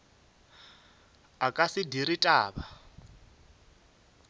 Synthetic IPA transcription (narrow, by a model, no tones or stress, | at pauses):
akʼasidiɾitʼaːβa